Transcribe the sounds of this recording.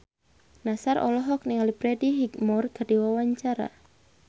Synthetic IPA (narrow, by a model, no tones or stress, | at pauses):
nasaɾʔɔ̰lɔɦɔk̚niŋalipɾɛdiɦik̚mɔrɡ̥ardiwawaɲt͡ʃaɾa̰